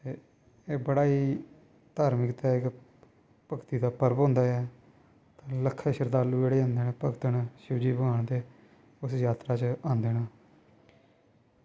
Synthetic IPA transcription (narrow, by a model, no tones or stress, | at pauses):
t̪eː | eːbəɽaːiː | t̪aːɾmɪkt̪aːɪk | pəkt̪iːd̪aːpəɾpɦõːnd̪aːɛː | t̪ãːləkʰːeːʃəɾd̪aːlũːd͡ʒeːɽeːãːnd̪eːneːpəkt̪ənʃɪd͡ʒiːbəɡaːɳt̪eː | ʊsjaːt̪ɾaːt͡ʃãːnd̪eːnaː